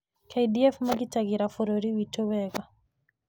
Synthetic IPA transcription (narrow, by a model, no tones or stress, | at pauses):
kʰaidiɛfmaɡitaɣiɾafɔɾoɾiwitowɛɣa